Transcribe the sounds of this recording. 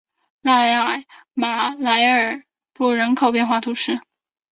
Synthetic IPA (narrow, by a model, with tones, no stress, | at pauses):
la˥˩ɪa˨˩ | ma˨˩la˧˥ɪə˞˨˩ | pu˥˩ɻə˧˥nkʰo˨˩ʊpjɛ˥˧nxwa˥˩t̪ʰu˧˥ʂɻ̩˥˩